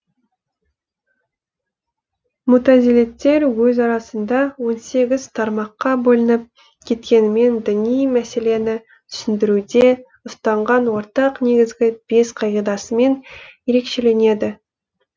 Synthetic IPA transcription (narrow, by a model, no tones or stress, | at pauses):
mʊt̪azilet̪ːe̞ɾwɵzɑɾɑsənd̪ɑwo̞nse̞ɡʲɪz̥t̪ʰɑɾmɑqːɑbolˠənəp̚ | kʲʰe̞t̪kʲe̞nɪme̞nd̪ɪnijmæse̞le̞nɪ | t̪ʰʏ̥sɪnd̪ɪɾud̪e̞ | ʊst̪ɑɴʁɑnwoɾt̪ɑqne̞ɡʲɪzɡʲɪb̥e̞sqʰɑjed̪ɑsəme̞nje̞ɾe̞kʃe̞le̞ne̞d̪ɪ